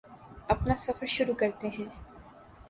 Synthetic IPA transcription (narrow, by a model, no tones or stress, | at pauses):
ɐpnasɐfəɾʃʊɾukɐɾt̪eɦɛ̃ː